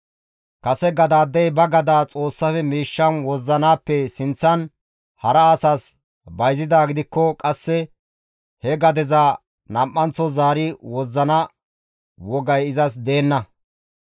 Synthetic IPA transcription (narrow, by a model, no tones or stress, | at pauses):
kɐsɛɡɐd̪aːd̪ːɛjbɐɡɐd̪aːt͡sʼo̞ːsːɐfɛmiːʃːɐnwɔzːɐnaːpːɛsɪnt͡sːɐn | hɐɾɐːsaːs | bɐjzɪd̪aːɡɪd̪ɪkːɔkʼɐsːɛ | hɛɡɐd̪ɛza | nɐmʔːɐnt͡sːɔzaːɾɪwɔzːɐnɐ | wɔɡɐjɪzɐs̬d̪e̞ːnːɐ